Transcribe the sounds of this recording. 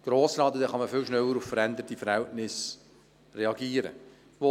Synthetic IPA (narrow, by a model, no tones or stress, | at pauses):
ɡ̥ɾoːslɑːd̪ədɛχɑməfɪlʃnɛlːəɾuffəɾænd̪əɾtifəɾhɛltnɪs | rɛɑɡiːəɾə̰ | ʋo